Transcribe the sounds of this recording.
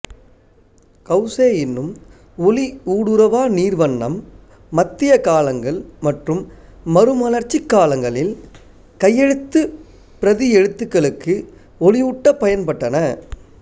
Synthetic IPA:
kɐʊseːjɪnːɯm | ɔliuːɽɯɾɐʋaːniːrʋɐɳːɐ̰mː | ɐt̪ːɪjɐkaːlɐŋɡɐɭmɐʈrɯmːɐɾɯmɐnɐɾt͡ʃːɪkːaːlɐŋɡɐɭɪl | kɐjːɛɻɯt̪ːɯ | pɪɾɐðɪɛɻɯt̪ːɯkːɐɭɯkːɯ | ɔɭɪʊʈːɐpːɐjɐnpɐʈːɐnɐ

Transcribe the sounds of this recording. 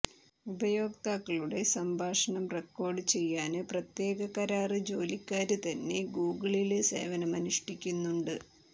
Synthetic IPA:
ubɐjo̞ːkt̪aːkːɐɭuɽe̞sɐmbʱaːʂɐɳɐmrekːo̞ːrɖɨt͡ɕe̞jːaːnɨprɐt̪je̞ːɡɐkɐɾaːrɨd͡ʑo̞ːlikʲːaːɾut̪ɐnːe̞ɡuːɡɐɭilɨse̞̰ːʋɐnɐmɐnuʂʈikʲːunːuɳɖɨ

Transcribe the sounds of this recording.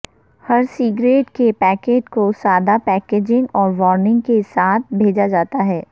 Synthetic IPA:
hɐɾsiːɡɾeːʈkepɛːkeːʈkosaːd̪apɛːkeːd͡ʒɪ̃ŋɡɔːɾʋɔːɾnɪ̃ŋɡkesaːt̪̚ʰbʱeːd͡ʒad͡ʒaːt̪aɦɛː

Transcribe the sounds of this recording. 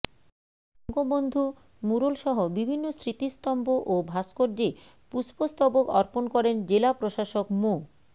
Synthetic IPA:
ɔŋɡobond̪ʱu | muɾolʃɔɦobibʱinːosɾit̪ist̪ɔmboʔobʱaskoɾd͡ʑe | puspost̪ɔbokɔɾponkɔɾend͡ʑelapɾoʃaʃokmo

